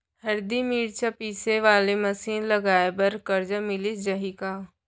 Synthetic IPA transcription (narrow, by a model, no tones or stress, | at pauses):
ɦəɾd̪imiːɾt͡ʃapiːseʋaːleməsiːnləɡaːebɐɾkəɾd͡ʒəmɪlid͡ʒəɦikaː